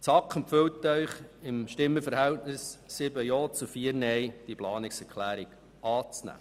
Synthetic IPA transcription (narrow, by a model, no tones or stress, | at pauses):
t͡sɑkχəmpfʏwtːœɥχɪmʃtɪmːəfəɾhæwtnɪsːɪbəjoːt͡sufiəɾnɛjd̥iplɑːnɪksɛɾkχlæːɾiɡ̥ | ɑːt͡snæ̰ː